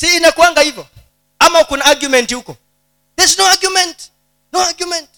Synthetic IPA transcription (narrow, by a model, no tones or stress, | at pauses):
siːnakuwaŋɡaivjɔ | amaukunaaɡjumɛntiukɔ | ðɛsnoaɡjumɛ̃nt | noaɡjumɛ̃nt